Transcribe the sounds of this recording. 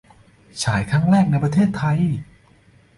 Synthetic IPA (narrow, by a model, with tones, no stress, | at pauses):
t͡ɕʰaː˩˦jkʰɾa˧˥˩ŋɾɛː˥˩k̚na˧jpɾa˧t̪ʰeː˥˩t̪ʰːa˧j